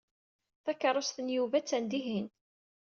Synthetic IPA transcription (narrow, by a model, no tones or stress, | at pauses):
θækːɑɾˤosθənjuvæt͡sːænd̪iɦin